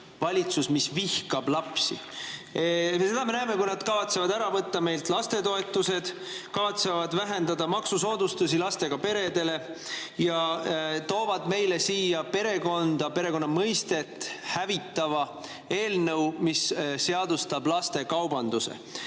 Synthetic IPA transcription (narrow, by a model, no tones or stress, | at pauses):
vɑlʲit̪susmisvihkɑblɑpsḭ | se̞d̪ɑme̞næeme̞kujnɑd̪̥kɑvɑt̪se̞vɑd̪æɾɑvɤt̪ːɑme̞jlt̪lɑst̪e̞t̪o̞e̞t̪ːˑuse̞d̪̥kɑvɑt̪se̞vɑd̪væɦe̞nd̪ɑd̪ɑmɑksuso̞ːd̪ust̪usilɑst̪e̞ɡ̥ɑpe̞ɾe̞d̪e̞le̞ | jɑt̪o̞ːvɑd̪me̞jle̞siːjɑpe̞ɾe̞ko̞nd̪̥ɑpe̞ɾe̞ko̞nːɑmɤjst̪e̞t̪ːˑhævit̪ːɑvɑ | e̞ːlnɤwmisse̞ɑd̪ust̪ɑb̥lɑst̪e̞kɑwbɑnd̪usḛ